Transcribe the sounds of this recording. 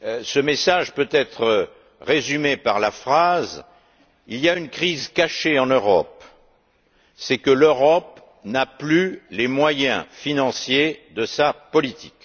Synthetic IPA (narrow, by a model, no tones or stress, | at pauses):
səmesaʒpøt̪ɛt̪χə | ʁezymepaʁlafχaz | ilijaynkχizkaʃeɑ̃nøʁɔp | sɛkəløʁɔp | naplylemwajɛ̰̃finɑ̃sjed̪əsapɔlit̪ʰik